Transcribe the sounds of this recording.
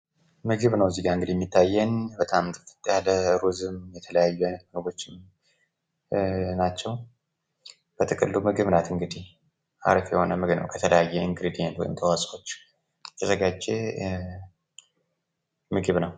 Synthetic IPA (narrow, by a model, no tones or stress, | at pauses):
mɨɡɨβnəwziɡaɨŋɡɨd̪ijɛmːit̪ʰːajːɛnbət̪ʼamt̪ʰʼɨfɨ̥t̪ʼjaləɾuzɨmjɛt̪ʰələjajːɛmɨɡbo̞t͡ʃːɪn | nat͡ʃːɛw | b̥ət̪ʰɨkʼɨlːumɨɡɨβnat̪ɨŋɡɨd̪ih | ʔa̰ɾfjɛho̞nəmɨɡɨβnə̰wkʰət̪ʰələjajːɛiŋɡɾid̪ijent̪wɔ̰jɪ̰mt̪ʰəwasʼo̞t͡ʃː | jɛt̪ʰəzəɡad͡ʒe | mɨɡɨβnəw